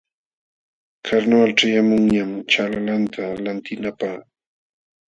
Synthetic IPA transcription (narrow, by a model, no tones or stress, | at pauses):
kʰaɾnoalʈ͡ʂajamʊŋɲamt͡ʃalalant̪ʰalant̪ɪnapaχ